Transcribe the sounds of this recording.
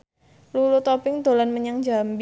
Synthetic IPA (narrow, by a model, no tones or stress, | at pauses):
lulut̪ɔpɪŋd̪o̤lanməɲaŋd͡ʒamb